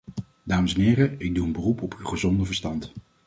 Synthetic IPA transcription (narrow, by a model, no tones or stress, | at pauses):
d̥aːməsɛnɪːrəɪɡ̚duənbərupɔpywχəzɔndəvəɹstɑnt